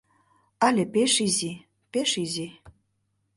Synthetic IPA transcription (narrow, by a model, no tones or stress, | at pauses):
alʲepeʃizi | peʃizʲi